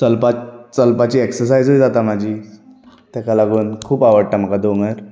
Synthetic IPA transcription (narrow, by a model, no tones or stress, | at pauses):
t͡səlpat͡səlpat͡ɕiːeksəɾsajd͡zɦujd͡zat̪am̤ad͡ʑiː | t̪ɛkalaɡuːnkʰuːpaʋəɽʈ̪am̤əkad̪oŋəɾ